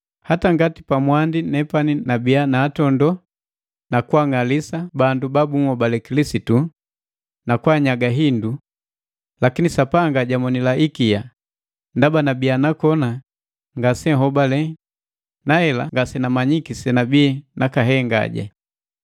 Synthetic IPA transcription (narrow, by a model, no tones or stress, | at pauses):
hataŋɡatipamwandinɛpaninabianaːtɔndɔ | nakuwaŋalisabandubabuŋhɔbalɛkilisitu | nakwaɲaɡaɦindu | lakinisapaŋɡaɟamɔnilaʔikija | ndabanabianakɔna | ŋɡasɛɦɔbalɛ | naɛlaŋɡasɛnamaɲikisɛnabiɛnakaɦɛŋɡa̰ɟa̰